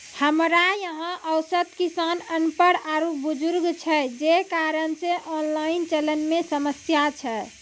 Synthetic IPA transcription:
həmɾajəɦə̃ʔəʊsət̪kisanənpəɽaɾop̚bud͡ʒuɾɡt͡ʃʰɛd͡ʒekaɾənseʔɔnlaint͡ʃələnmesəməsjat͡ʃʰɛ

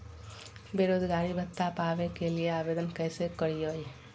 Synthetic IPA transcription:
beːɾoːd͡ʒɡaːɾibʱət̪ːapaːʋekelieaːʋeːd̪ənkɛːsekəɾioːe

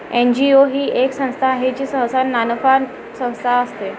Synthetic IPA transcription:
end͡ʑioɦiːʔeksə̃st̪ʰaɦet͡ɕiːsəɦsannːanəfan | sə̃w̃st̪ʰaəst̪e

